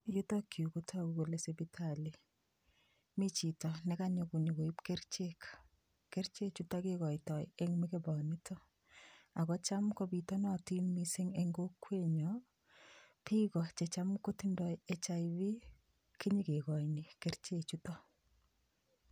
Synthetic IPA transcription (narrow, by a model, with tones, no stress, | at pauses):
ju˦tɔki˨u˨kotʰɔ˦kuko˨lesebitʰali˨ | mi˦t͡ʃi˨tɔ˨nɛkaɲɔku˨ni˨ko˨i˦pke˦ɾt͡ʃek | ke˦ɾt͡ʃe˦t͡ʃu˦tɔkekɔ˨jtɔ˨jeŋmikebɔnitʰɔ˦ | a˨kɔ˦t͡ʃa˦mkɔbitɔ˦nɔti˦nmise˦ŋeŋɡo˦kːweɲɔ | pi˦kɔ˨t͡ʃet͡ʃamko˦ti˦ndɔjet͡ʃaibi˦ | ki˦ɲi˦ke˨kɔ˨jni˨kert͡ʃet͡ʃutɔ˦